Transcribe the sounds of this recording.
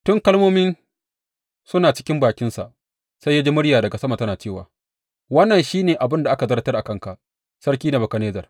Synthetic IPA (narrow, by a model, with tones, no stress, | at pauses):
tʊ˦ŋkɐ˦lmoː˦mɪ˦n | sʊ˦naː˨t͡ʃɪ̥˦kʲɪ˦mbaː˨kʲɪ˦nsa̰˨ʔ | sa˦ja˦d͡ʒi˦mʊ˦ɽjaː˨dɐ˨ɡa˨sɐ˦ma˨tɐ˦naː˨t͡ʃeː˦˨wa̰ː˨ | wɐ˦nːɐ˨nʃiː˦neː˨ʔa˨bɪ˦nda˨ʔa˦ka˨zɐ˦rtɐ˦rʔa˨kɐ˦ŋka˨ʔ | sɐ˦ɽkʲiː˦na˨bɐ˨kɐ˨neː˦zɐ˨r